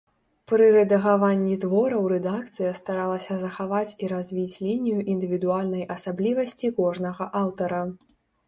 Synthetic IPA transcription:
pɾɨɾɛd̪ɐɣavanʲːit̪vɔɾɐwɾɛd̪ak̚t̪sɨjɐst̪aɾalˠɐsʲɐzɐxavat͡sʲiɾazʲvʲit͡sʲlʲinʲijuʔind̪ɨvʲid̪ualʲnɐjʔɐsablʲivɐsʲt͡sʲikɔʐnɐɣɐʔawt̪ɐɾɐ

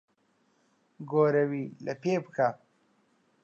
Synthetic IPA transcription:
ɡoːɾawilapeːpkʰa

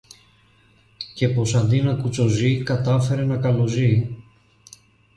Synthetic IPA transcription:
ce̞po̞sɐnd̪inɐkut͡so̞zikɐt̪ɐfe̞ɾe̞nɐkɐlo̞zi

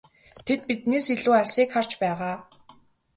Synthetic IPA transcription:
t̪ʰet̪̚pit̪neːsiɮuːaɮʲsiːkχar̥t͡ɕpæːʁaː

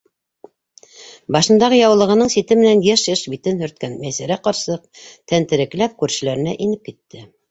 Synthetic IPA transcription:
bɑʃɤ̆nd̪ɑʁɤjɑwlˠɤ̆ʁɤ̆nɤɴsit̪ɘmɘ̆nænjæʃɘʃbit̪ɘnhɵ̆ɾt̪̚kænmæsæɾæqɑɾsɤq̚t̪ænt̪ɘ̆ɾɘ̆klæp̚kʉɾʃɘ̆læɾɘ̆næʔinɘp̚kit̪ːɘ

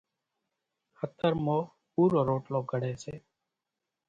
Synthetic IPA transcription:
hət̪əɾmoː | puːɾoːɾoːʈloːɡʱəɽeːseː

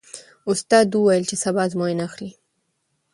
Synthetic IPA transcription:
ʊst̪ɑd̪uwajəlt͡ʃesabɑzmoɪnaxli

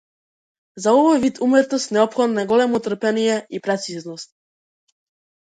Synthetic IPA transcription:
zaɔvɔjvit̪ʰumɛt̪ɔst̪nɛɔpxɔd̪naɡɔlɛmɔt̪r̩pɛnijɛipɾat̪siznɔst̪̚

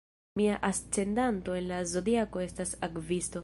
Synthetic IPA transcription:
miaʔast͡se̞ndanto̞e̞nlazo̞diako̞e̞stasakvisto̞

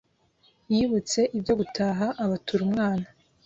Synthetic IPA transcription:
jiːβut͡se̞ʔibjo̞ɡutʰaːɦaʔːβatʰuɾumŋaːna

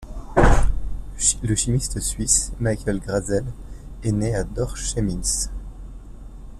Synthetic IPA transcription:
ləʃimist̪əsɥismajkʲɛlɡʁazɛlɛnead̪ɔʁʃemis

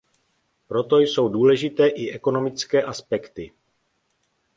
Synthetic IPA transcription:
pɾo̞t̪o̞jso̞wduːlɛʒɪt̪ɛːʔɪʔɛko̞no̞mɪt͡skɛːʔaspɛkt̪ɪ

